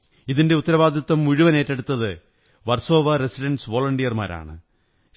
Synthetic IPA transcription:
iðinde̞ut̪ːɐɾɐʋaːd̪ʱjɐt̪ːɐmːuɻuʋɐne̞ːtːeɽut̪ːɐðɨ | ʋɐrso̞ːʋɐresiʈɐnɖsʋo̞ːlɐɳɖijɐrma̰ːɾa̰ːɳɨ̰

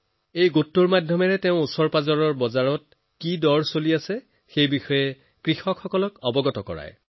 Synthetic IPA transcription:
ejɡotːuɹmadʱjɔmɛɹɛteʊ̃usɔɹpazɔɹɔɹbɔzaɹɔt̚ | kidɔɹsoliasɛ | xejbixɔjɛ | kɹixɔkxɔkɔlɔkɔbɔɡɔtɔkɔ̰ɹa̰j

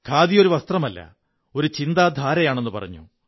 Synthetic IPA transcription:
kʰaːd̪ijo̞ɾuʋɐst̪rɐmɐlːɐ̰ | o̞ɾut͡ɕind̪aːd̪ʱaːɾɐjaːɳe̞nːɨpɐ̰rɐ̰ɲːṵ

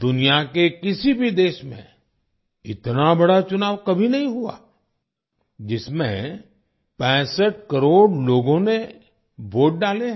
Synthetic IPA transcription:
d̪ʊnijakekɪsibʱid̪eːʃmḛ̃ | ɪt̪nabɐɽat͡ʃʊnaːʋkɐbʱinɐɦĩɦua̰ː | d͡ʒɪsmḛ̃ | pɛ̃ːsəʈ̚kɐɾoːɽloːɡõne | ʋoːʈ̚ɖaːleɦɛ

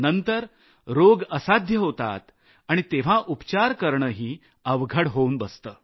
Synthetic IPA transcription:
nənt̪əɾ | ɾoɡəsad̪ʱjəɦot̪a̰t̪ | aɽ̃it̪eʋ̤aʔupt͡ɕaɾkəɾɳəːɦiː | əʋɡʱəɽɦouːnbəst̪əː

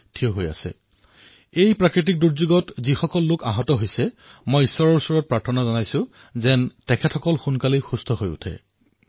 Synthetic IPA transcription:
tʰioɦoja̰sɛ̰ | ejpɹakɹit̬ik̚duɹzuɡɔtzixɔkɔlːʊkaɦɔtɔɦojsɛ | mojisɔɹɔɹusɔɹɔt̚pɹaɹtʰɔnazɔnajsʊ̃ | zɛntɛkʰɛtʰɔkɔlxunkalixustʰɔɦojṵtʰɛ̰

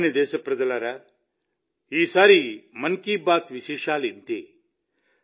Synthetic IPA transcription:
nid̪eːsɐpɾɐd͡ʒɐlaɾa | ɦiːsaːɾiːmɐnkiːbaːt̪ʋiʃeːʃaːlint̪ḛː

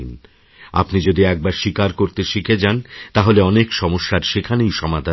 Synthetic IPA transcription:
in | a̰pnid͡ʑod̪iɛk̚baɾʃikaɾkoɾt̪eʃikʰed͡ʑant̪aɦoleɔnekʃɔmoʃːaɾʃekʰanejʃɔmad̪ʱa

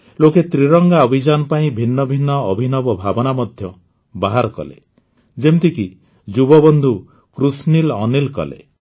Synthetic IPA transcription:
loket̪ɾiɾɔŋɡaɔbʱid͡ʒanɔpaĩbʱinːɔbʱinːɔːbʱinɔbɔbʱabɔnamɔd̪ʱjɔ | baɦaɾkɔ̰lḛ | d͡ʒemt̪iki | d͡ʒubɔbɔnd̪ʱu | kɾusnilɔnilkɔ̰lḛ

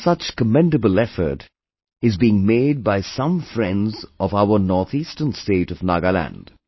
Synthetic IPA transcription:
sʌt͡ʃkəmɛ̃ndəbəlɛfə̰˞t | ɨzbiɪ̃ŋmeɪd̚baɪsʌ̃ɱfɹɛ̃ndzʔʌvaʊə˞nɔɹθʰiːstənsteɪɾʌvnaɡəlæ̰̃nd̥

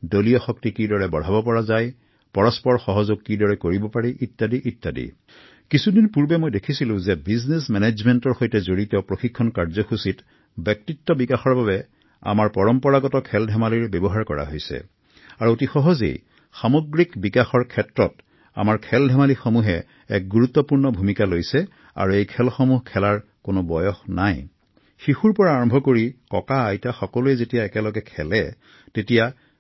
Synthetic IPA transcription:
dolijɔxɔk̚tikidɔɹɛbɔ̤abɔpɔɹazaj | pɔɹɔspɔɹxɔɦɔzoɡ̚kidɔɹɛkoɹibɔpaɹiʔitːadiʔitːadḭ | kisudinpuɹbɛmojdekʰisilʊ̃zɛbiznesmɛned͡ʒmɛntɔɹxojtɛzoɹitɔpɹoxikʰːɔnkaɹzɔkʰusit | bjɔk̚titːɔbikaxɔɹbabɛ | a̰maɹpɔɹɔmpɔɹaɡɔtɔkʰɛldʱɛmaliɹbɛbɔɦaɹkɔɹa̰ɦojsɛ̰ | aɹuotixɔɦɔzḛj | xamoɡɹikbikaxɔɹkʰɛtɹɔt | a̰maɹkʰɛldʱɛmalixɔmuɦɛ | ɛ̰k̚ɡuɹut̪ːɔpuɹnɔbʱumikalojsɛ | a̰ɹuejkʰɛlxɔmuɦkʰɛlaɹ | kʊnʊbɔjɔxnaj | xixuɹpɔɹaːɹɔmbʱɔkoɹikɔkaːjtaxɔkɔluɛzetijaɛkɛlɔɡɛkʰɛlɛ | tetija

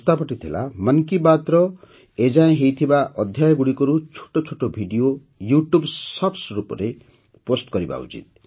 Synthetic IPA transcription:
t̪apɔʈit̪ʰila̰mənkibat̪ɾɔ | ed͡ʒaẽɦejt̪ʰibaʔɔd̪ʱjajɔɡuɽikɔɾut͡ʃʰo̥ʈot͡ʃʰoʈobʱiɖio | juʈjubsɔpsɾupɔ̰ɾe | posʈkɔɾiba̰ṵt͡ʃḭt̪̚

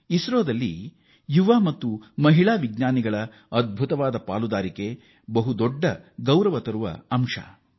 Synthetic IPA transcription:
isɾoːd̪ɐlːḭ | juʋaːmɐt̪ːumɐɦiɭaːʋiɡɲaːniɡɐɭɐ | ɐd̪̚bʱut̪ɐʋaːd̪ɐpa̰ːlud̪aːɾike̞ | bɐɦud̪ɔɖːɐɡɐwɾɐʋɐt̪ɐɾuʋɐ̰ɐmʂɐ̰

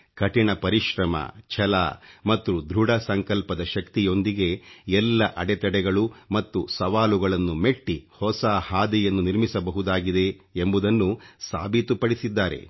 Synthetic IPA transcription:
kɐʈiɳɐpɐɾiʃɾɐmɐ̰t͡ʃʰɐla̰mɐt̪ːud̪ɾuɽɐsɐŋkɐlpɐd̪ɐʃɐkt̪ijo̞nd̪iɡe̞ɛlːɐʔɐɽɛt̪ɐɽɛɡɐɭumɐt̪ːusɐʋaːluɡɐɭɐnːumeʈːihɔsahaːd̪ɛjɐnːuniɾmisɐbɐɦud̪aːɡid̪e̞ːmbud̪ɐnːusa̰ːbʱit̪upɐɽisid̪ːaːɾe̞̰

